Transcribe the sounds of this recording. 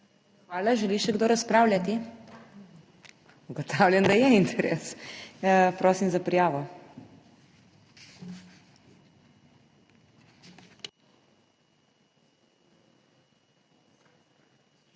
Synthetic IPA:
xʋaːlaʒɛliʃɛɡd̪oːɾɐspɾaːwlʲjat̪i | uɡɔt̪ʰawlʲjɛnd̪ajɛint̪ʰɛɾḛs | pɾoːsimzapɾijaːʋɔ

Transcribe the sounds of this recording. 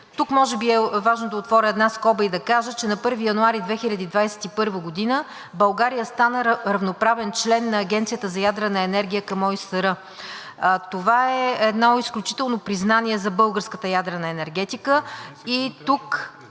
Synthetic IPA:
t̪ukmɔʒɛbiɛvaʒnod̪ɐot̪vɔɾʲəɛd̪naskɔbəid̪ɐkaʒət͡ʃɛnɐpɤɾvijɐnuaɾid̪vɛxilʲɐd̪id̪vajsɛ̥t̪ipɤɾvəɡod̪inə | bɐlˠɡaɾijəst̪anəɾɐvnopɾavɛnt͡ʃlɛnːɐːɡʲɛnt̪sijət̪əzɐjad̪ɾənɐɛnɛɾɡʲijəkɐmɔisəɾɤ | t̪ovaɛɛd̪nɔisklʲut͡ʃi̥t̪ɛlˠnopɾiznaniɛzɐbɤlˠɡəɾskət̪əjad̪ɾənɐɛnɛɾɡɛt̪ikəit̪uk

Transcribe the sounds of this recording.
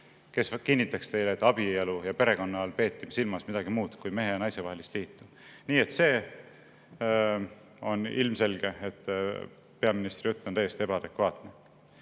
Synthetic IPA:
ke̞skinːit̪ːˑɑkst̪e̞jleet̪ːˑɑb̥ielujɑpe̞ɾe̞ko̞nːɑɑlpe̞ːt̪ːˑim̥silmɑsmid̪̥ɑɡimuːd̪̥kujme̞ɦe̞jɑnɑjse̞vɑhe̞list̪liːt̪ːu | niːet̪se̞ː | o̞nilmse̞lɡ̥e̞et̪ː | pe̞ɑminist̪rjut̪ːˑonæjest̪ie̞b̥ɑɑd̪̥e̞kvɑːt̪ˑne

